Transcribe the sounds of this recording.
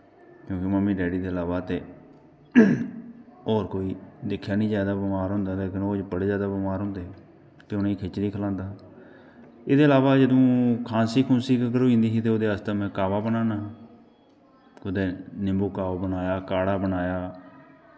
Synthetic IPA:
kjõːkɪməmːiːɖɛːɖiːd̪eːəlaːβaːt̪eː | ɔːɾkoːiːd̪ɪkʰːjaːnĩːd͡ʒaːd̪aːbəmaːɾɦʊ̃ːnd̪aːleːkɪnoːd͡ʒpəɽeːd͡ʒaːd̪aːbɪmaːɾɦʊ̃ːnd̪eː | t̪eːʊnːĩːkʰet͡ʃɾiːkʰəlãːnd̪aː | ɪd̪eːəlaːʋaːd͡ʒəd̪õːkʰãːnsiːkʰʊnsiːkɡəɾoːĩːnd̪iːɦiːt̪eoːd̪eːast̪emɛ̃ːkaːʋaːbənaːnaː | kʊd̪eːnɪmbuːkaːʋaːbənaːjaːkaːɽaːbənaːjaː

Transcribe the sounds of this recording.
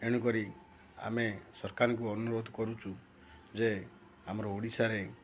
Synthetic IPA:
eɽ̃ukɔɾi | a̰mesɔɾkaɾɔŋk̬uɔnuɾod̪ʱɔkɔɾut͡ʃʰu | d͡ʒe | amɔɾɔuɽisaɾe

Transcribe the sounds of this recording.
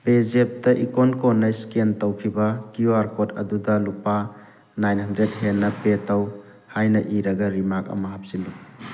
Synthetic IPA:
pezep̚tɐʔikonkonːɐiskentowkʰibɐkiuaɾkotɐ̰dudɐlupa | najnɦɐndɾet̚ɦenːɐpetɐw | hajnɐʔiɾɐɡɐɾimak̚ɐ̰mɐɦap̚silːu

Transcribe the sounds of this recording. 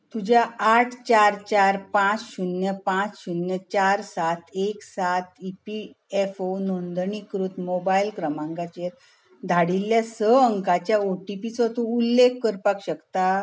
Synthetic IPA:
t̪ud͡ʑʱjaːʈʰt͡ɕaɾt͡ɕaɾpãt͡sɕunjəpãt͡sɕunjət͡ɕaɾsat̪ʰeksat̪ʰipi | efonɔ̃nd̪ɳikɾuːt̪mobailkɾəmãŋɡat͡ɕeɾ | d̪ʱaɽilːjasəəŋkat͡ɕjaoʈipit͡sɔt̪uulːekːəɾpakɕəkt̪a

